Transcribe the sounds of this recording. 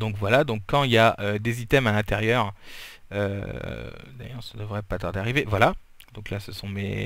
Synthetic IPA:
d̪ɔ̃kvwalad̪ɔ̃kʰːɑ̃iljaʔød̪ezit̪ɛmalɛ̃t̪eʁjœʁ | ø̰ | d̪a̰jœʁsad̪əvʁɛpat̪aʁd̪eaʁivevwala | d̪ɔ̃klasəsɔ̃mḛ

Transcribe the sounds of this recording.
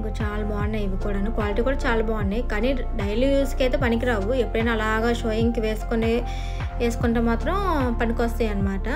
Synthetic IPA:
kut͡ʃaːlabaːnːɐjiʋikuːɽaːnukʋaːliʈ̬iːkuːɽaːt͡ʃaːlabaːnːɐjikaːni | ɖɐjlːuskɐjt̪eːpɐnik̬iɾaːʋuepːuɽɐjnaːlaːɡaːʃoːjiŋkiʋeːsu̥kone | ʋeːsu̥kuɳʈeːmaːt̪ɾɐmpɐnikost̪ajɐnːɐmaːʈɐ

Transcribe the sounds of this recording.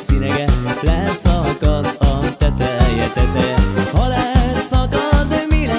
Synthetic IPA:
sinɛɡɛflɛsɒkɒt̪ɒt̪ɛt̪ɾɛert̪ɛt̪øjɛhɔlɛsɒkɒd̪mil

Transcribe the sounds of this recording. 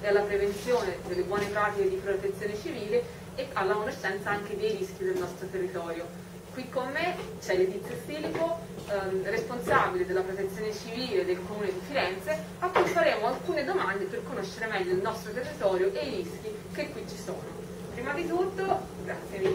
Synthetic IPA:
ealːapɾevent̪sjoːned̪elːebwɔːnepɾaːt̪iked̪ipɾot̪et̪sːjoːnet͡ʃiviːle | ealːakonesɛnt̪saaŋked̪ejɾiskjid̪elnɔst̪ɾot̪erːit̪ɔːɾjo | kwikːomːet͡ʃɛlːet̪it̪sjofiːlipo | responsaːbiled̪elːapɾot̪et̪sːjoːnet͡ʃiviːled̪ːelkomuːned̪ifiɾɛnt̪se | akːujfaɾeːmoalkuːned̪omand̪eperkonoʃːeɾemɛʎːoilnɔst̪ɾot̪erːit̪ɔːɾjoʔejɾisk̟i | kekːwit͡ʃːi̥so̰ːno | pɾiːmad̪it̪ut̪ːo | ɡɾat̪sːjemi

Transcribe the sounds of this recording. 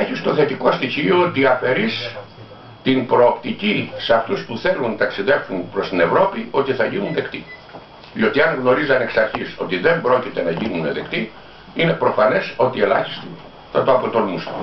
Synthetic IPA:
eçist̪o̞θe̞t̪iko̞st̪içioot̪iɐfe̞ɾis | t̪imbɾo̞ːpt̪icisɐft̪uspuθe̞lunt̪ɐksiðe̞fsunpɾo̞st̪ine̞vɾo̞pio̞t̪iθɐʝinunðe̞kt̪i | ðio̞t̪iɐŋɣno̞ɾizɐneksɐɾçiso̞t̪iðe̞mbɾo̞cit̪e̞nɐʝinuneðe̞̰kt̪i | ine̞pɾo̞fɐne̞so̞t̪ie̞lɐ̰çi̥st̪i | θɐt̪oɐpo̞t̪o̞lmusɐ̥

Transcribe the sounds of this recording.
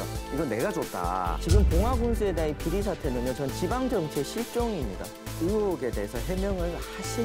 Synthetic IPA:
aiɡʌnːe̞ɡad͡ʑot̚t͈a̰t͡ɕiɡɯmkoŋɦwaɡunsʰɯe̞deaipiɾisʰatʰenɯmjʌt͡ɕʌnt͡ɕibaŋd͡ʑʌmt͡ɕʰeɕʰiɭt͡ɕ͈oŋimɲida̰ | ɯjoɡe̞de̞ːsʰʌɦe̞mjʌŋɯɭhaɕ͈ʰi

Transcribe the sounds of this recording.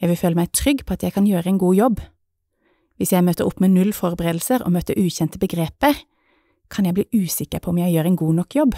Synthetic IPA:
jæɪʋɪlføːləmæɪt̪ʰʁʏɡːpʰɔːɑt̪jæɪkʰɑnjøːʁəɛɪnɡuːjɔb | ʋɪsjæɪmøːt̪əʁʊpːmeːnʉlfɔʁbəʁeːd̪l̩səʁɔ̰ːmøːt̪əɾʔʉːçɛnt̪əbəɡʁeːpə | kʰɑnjæɪb̪liːʔʉːsɪkːəpʰɔʊmjæɪjøːʁɛɪnɡuːnɔkːjɔb

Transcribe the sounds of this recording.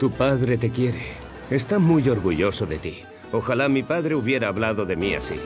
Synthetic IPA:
t̪upaðɾe̞t̪e̞kje̞ɾe̞ | est̪amujo̞ɾɣuʝo̞so̞ðe̞t̪i | o̞xalamipaðɾe̞uβje̞ɾaːβlaðo̞ðe̞mia̰sḭ

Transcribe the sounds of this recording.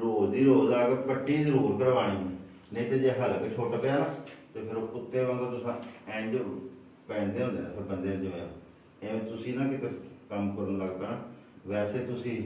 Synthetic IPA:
ɾoːziːɾoːzaːɡəkəʈːĩːzəɾuːɾkəɾʋaːɽ̃ĩːiː | nə̃ĩːt̪eːd͡ʒeːɦəlket͡ʃʰoːʈapeaːnaːt̪eːpʰɪɾoːpʊt̪ːeːʋãːɡ̪aːt̪ʊsãːɛ̃ːd͡ʒo | pɛ̃ːnd̪eːõːnd̪eːãpʰbənd̪eːɪd͡ʒʋeːã̰ː | eːet̪ʊsĩːnãːkɪt̪eːkəmkəɾənləɡt̪ənaː | ʋɛːseːt̪ʊsĩː

